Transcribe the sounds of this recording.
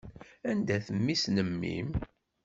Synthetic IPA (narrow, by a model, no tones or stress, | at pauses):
ænd̪æθəmːisnəmːḭm